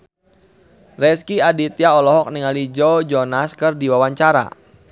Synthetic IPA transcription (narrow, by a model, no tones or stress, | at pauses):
rɛskiadit̪jaɔlɔɦɔk̚niŋalid͡ʒod͡ʒɔnaskɨrdiwawaɲt͡ʃaɾa̰